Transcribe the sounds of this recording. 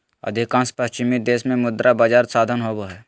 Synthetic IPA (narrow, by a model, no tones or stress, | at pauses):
ə̰d̪ʱɪkãːnspəst͡ʃɪmid̪eːsmẽmʊd̪ɾʔabad͡ʒaːɾsaːd̪ʱənɦoboɦɛː